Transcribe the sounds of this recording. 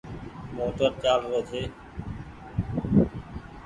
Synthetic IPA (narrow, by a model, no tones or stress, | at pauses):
moːʈəɾt͡ɕaːlɾoːd̪ʱeː